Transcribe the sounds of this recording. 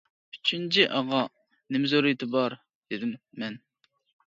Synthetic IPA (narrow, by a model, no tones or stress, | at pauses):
yt͡ʃʰint͡ʃʰiʔɑʁɑ | nɪmɪzoɾɨjt̪ʰɪbɑɾ | d̪̥ed̪ɪmːɛn